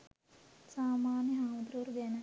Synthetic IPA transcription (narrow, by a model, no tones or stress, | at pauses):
saːmaːnjɐɦaːmɐd̪ɾuːɾɡɐnɐ